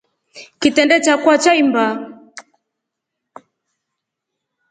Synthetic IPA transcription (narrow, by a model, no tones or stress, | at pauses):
kitɛndɛt͡ʃakwat͡ʃaimba